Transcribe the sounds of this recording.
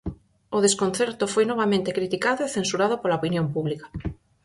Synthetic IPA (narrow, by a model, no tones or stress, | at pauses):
oðeskonθɛɾt̪ʊfojnɔβ̞amẽnt̪ekɾit̪ikaðoeθensuɾað̞opolaopinjompuβlikḁ